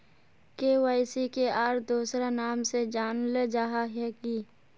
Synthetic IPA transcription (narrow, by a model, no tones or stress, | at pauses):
keːwaːɪsikeʔaːɾd̪uːsɾanaːmsed͡ʒaːnled͡ʒaɦaɦɛːki